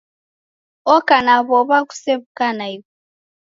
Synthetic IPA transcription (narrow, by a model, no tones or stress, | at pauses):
ɔkanaβɔβaku̥seβukanaiβu